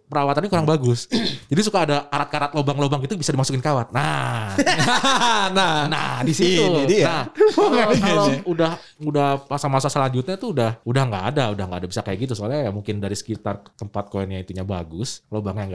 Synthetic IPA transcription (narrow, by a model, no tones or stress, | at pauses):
pəɾawat̪anɲakuɾaŋbaɡʊsd͡ʒadisukaːdaːɾat̪̚kaɾat̪̚lobaŋlobaŋɡit̪ubisadimasukɪnkawat̪̚na | nana̰disitunahakalaudah | udahmasamasasəlaɲd͡ʒʊt̪̚ɲat̪uːdahudahŋɡaːdaudahŋɡaːdabisakajaʔɡit̪usoalajamuŋkɪndaɾisə̥kit̪art̪əmpat̪̚koɛnɲait̪uɲaba̰ɡʊslobaŋjaŋɡa